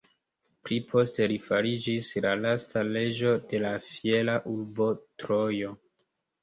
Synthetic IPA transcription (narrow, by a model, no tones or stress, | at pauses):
plipʰo̞ste̞ɾifaɾid͡ʒislalastʰale̞d͡ʒo̞de̞lafie̞laʔuɾbo̞tɾo̞jo̞